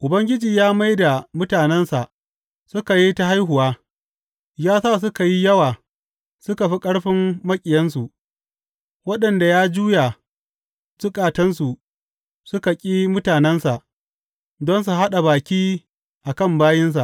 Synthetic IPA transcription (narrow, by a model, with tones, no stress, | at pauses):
ʔʊ˨bɐ˦ŋɡʲɪ˦d͡ʒiː˨jaː˦ma˦jda˨mʊ˦taː˨nɛ˦nsa̰˨ʔ | sʊ˦ka˨ji˦ta˦ɦa˦jɦʊ˨waː˦ | jaː˦sa˦˨s̬ʊ˦ka˨ji˦jɐ˦waː˨ | sʊ˦ka˨ɸi˦kʼɐ˦ɽɸɪ˦mːɐ˦kʲʼɪ˨jɐ˦ns̬u˨ʔ | wɐ˦ɗɐ˨nda˨jaː˦d͡ʒuː˦ja˨ | t͡ʃʊ˦kʼaː˨tɐ˦nsu˨ | sʊ˦ka˨kʲʼiː˦mʊ˦taː˨nɛ˦nsa˨ʔ | dɔ˦ns̬u˨ɦa˦ɗa˨baː˨kʲiː˦ | ʔa˨kɐ˦˨mbaː˦jɪ˦ns̬a̰˨ʔ